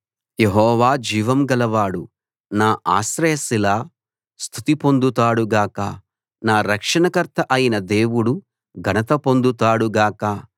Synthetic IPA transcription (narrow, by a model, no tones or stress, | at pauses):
jeɦɔːʋaːd͡ʒiːʋɐmɡɐlɐʋaːɽu | naːʔa̰ːsɾɐjɐsilaː | st̪ʰut̪ipo̞nd̪ut̪aːɽuɡaːkɐ | naːɾɐkʂɐɳɐkɐɾt̪ʰɐʔɐjinɐd̪e̞ːwuɽu | ɡʱɐnɐt̪ɐpond̪ut̪aːɽuɡaːkɐ